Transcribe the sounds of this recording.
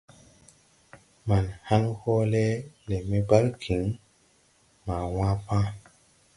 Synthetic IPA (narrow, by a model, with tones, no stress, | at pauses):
ma˨nha˦nho˦le˦le˨me˦ba˦lkʰi˨˦ŋ | ma˨wã˦pã˦